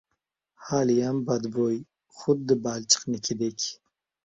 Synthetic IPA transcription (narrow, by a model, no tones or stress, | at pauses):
haːlijambad̪boːj | xʊd̪̚d̪əbaːlt͡ʃə̥qnikʲʰid̪ekʲ